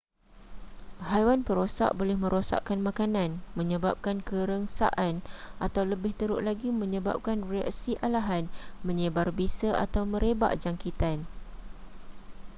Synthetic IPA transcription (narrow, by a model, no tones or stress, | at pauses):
hajwanpəɾosa̰ʔbolɛhmə̃ɾosa̰ʔkanmãkanãnmə̃ɲə̃bap̚kankəɾəŋsa̰ʔanʔat̪awləbɪht̪əɾʊʔlaɡimə̃ɲə̃ba̰p̚kanrea̰ksiʔalaɦanmə̃ɲə̃barbisəʔa̰t̪awmə̃ɾeba̰ʔd͡ʒaŋkit̪an